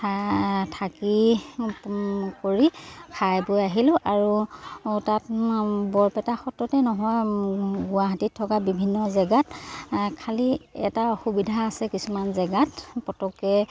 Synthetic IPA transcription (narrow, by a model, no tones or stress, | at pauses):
atʰaki | koɹipʰajbʊjaɦilʊ̃ʔaɹu | tatbɔɹpɛtaxɔtɹɔtɛnɔɦɔjɡʊwaɦatitʰːɔkabibʱinːɔzɛɡatkʰaliɛ̰taɔxubidʱaːsɛkisumanzɛɡatpɔtɔkɛ